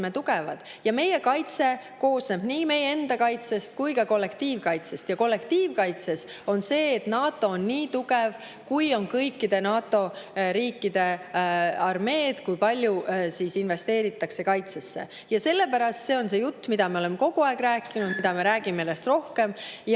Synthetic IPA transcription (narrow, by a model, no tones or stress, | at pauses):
met̪uɡ̥evɑd̪̥ | jɑme̞je̞kɑjt̪se̞ | ko̞ːsneb̥niːme̞jee̞nd̪ɑkɑjt̪se̞st̪̚kujkɑko̞lːe̞kt̪iːvkɑjt̪se̞st̪jɑko̞lːe̞kt̪iːvkɑjt̪se̞so̞nse̞ːt̪nɑːt̪ːˑo̞onːiːt̪uɡ̥e̞v | kujo̞nkɤjkːid̪̥e̞nɑːt̪ːˑo̞ɾiːkˑːid̪̥e̞ | ɑrme̞ːd̪̥kujpɑlʲjusiːsinve̞st̪e̞ːɾit̪ːˑɑkse̞kɑjt̪sesːḛ | jɑse̞lːe̞pæɾɑst̪se̞o̞nse̞jut̪ːmid̪ɑme̞o̞le̞mːe̞ko̞ɡ̥uɑeɡ̥ɾæːkːˑinud̪̥mid̪̥ɑmeɾæːɡ̥imeelːest̪ro̞hke̞mj